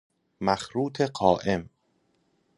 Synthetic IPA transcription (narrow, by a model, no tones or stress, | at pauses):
mæxɾuːt̪ʰe̞ɢɒːʔe̞m